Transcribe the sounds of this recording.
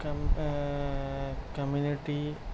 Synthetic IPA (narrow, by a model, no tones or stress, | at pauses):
kɐ | kɐmjuniʈːi